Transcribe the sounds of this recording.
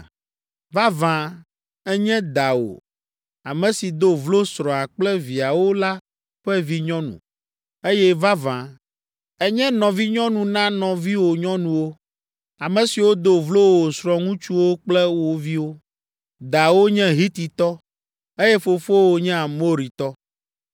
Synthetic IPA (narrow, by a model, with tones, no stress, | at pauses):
va˦vã˨ | ɛ˦ɲɛ̃˦d̪a˨wo̰˨ | a˨mɛ̃˨si˨d̪o˦vlo˦sɾɔ̃˨a˨k͡plɛ˦vi˨a˨wo˦la˦ | ɸɛ˦vi˦ɲɔ̃˦nṵ̃˨ | e˦jɛ˦va˦vã˨ | ɛ˦ɲɛ̃˦nɔ̃˨vi˦ɲɔ̃˦nũ˨nã˦nɔ̃˨vi˦wo˨ɲɔ̃˦nũ˨wo˦ | a˨mɛ̃˨si˨wo˦d̪o˦vlo˦wo˨sɾɔ̃˨ŋũ˦t͡ʃu˦wo˦k͡plɛ˦wo˦vi˦wo˦ | d̪a˨wo˦ɲɛ̃˦ɦi˦t̪i˨t̪ɔ˦ | e˦jɛ˦fo˨fo˦wo˨ɲɛ̃˦a˨mo˦ɾi˨t̪ɔ˦